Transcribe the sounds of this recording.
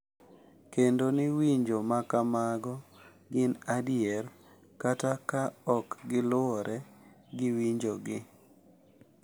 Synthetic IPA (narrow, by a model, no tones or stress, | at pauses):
kendonɪwiɲd͡ʒomakamaɡɔ | ɡɪnadɪɛr | katakaɔkɡɪlʊɔɾʔɛ | ɡɪwiɲd͡ʒoɡɪ